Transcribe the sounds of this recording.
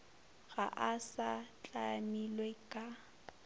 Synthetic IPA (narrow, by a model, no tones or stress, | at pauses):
ɣaʔasat͡ɬʼamilwekʼa